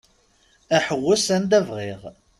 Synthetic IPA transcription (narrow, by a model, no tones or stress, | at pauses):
æħəwːæsænd̪ævʁiʁ